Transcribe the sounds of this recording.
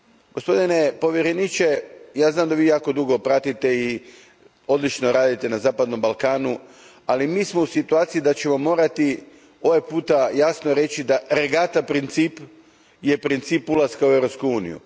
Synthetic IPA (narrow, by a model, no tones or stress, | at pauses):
ɡ̥o̞spo̞d̪ine̞po̞ʋjeɾenit͡ʃe̞jaːznaːmd̪aʋiːjaːko̞d̪uɡo̞pɾat̪it̪e̞i | o̞d̪lˠit͡ʃnoɾaːd̪it̪e̞nazaːpad̪no̞mbalˠkaːnu | alimiːsmo̞usit̪uaːt̪sijid̪at͡ɕe̞mo̞mo̞ːɾat̪i | o̞ʋepuːt̪ajaːsnoɾe̞t͡ɕid̪aɾeɡat̪apɾint̪sip | je̞pɾint̪siːpulˠaskauevɾo̞pskuuːnḭjṵ